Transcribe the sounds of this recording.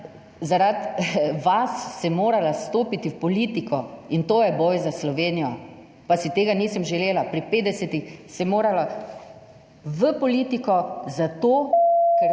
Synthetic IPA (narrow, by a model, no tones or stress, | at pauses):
zaɾat̪ʋasːɛmoːɾalast̪oːpit̪iwpɔliːt̪ikʰɔint̪oːjɛbɔjzaslɔʋeːnijɔ | pasit̪eːɡaniːsəmʒɛleːlapɾipeːd̪d̪ɛsɛt̪ixsɛmoːɾala | ʋəpɔliːt̪ikɔzat̪oːkɛɾ